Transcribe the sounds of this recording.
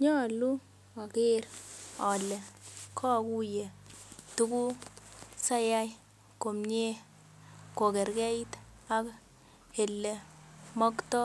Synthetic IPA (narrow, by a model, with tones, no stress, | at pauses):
ɲɔ˦˨lu˦ | a˨kɪ˦ɾɔ˨lɛ˨kʰɔ˦˨ku˦je˨tu˦ku˦ | sa˦ja˦j | ko˨mɲe˦ | ko˨kɛ˨ɾkɛ˦i˦t | a˦k | e˨lːɛ˨mɔ˦ktɔ˦